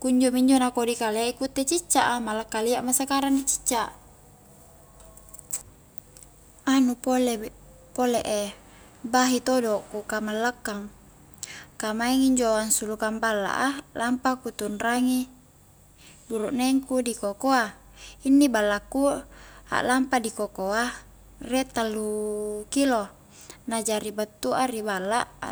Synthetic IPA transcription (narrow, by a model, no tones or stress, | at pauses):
kuɲd͡ʒomiɲd͡ʒonakodikalekut̪ːet͡ʃit͡ʃːaʔamalakːaliaʔmasakaɾandit͡ʃi̥t͡ʃːaʔ | anupole | poleʔe | baɦit̪odokukamalːəkːaŋ | kamaiŋiɲd͡ʒoansulukambalːa̰ʔalampakut̪unraŋi | buɾuʔneŋkudikokoa | inːibalːakːua̰ʔlampadikokoa | rɛʔt̪alːukilo | nad͡ʒaɾibat̪ːuaribalːaʔ